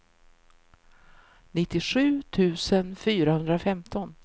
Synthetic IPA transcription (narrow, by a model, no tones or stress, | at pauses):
nɪt̪ːɪɧʉ̟ːt̪ʰʉ̟ːsənfyːɾahɵnd̪ɾafɛmt̪ʰɔn